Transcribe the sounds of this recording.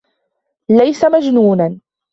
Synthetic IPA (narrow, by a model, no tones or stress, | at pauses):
lajsamad͡ʒnuːnan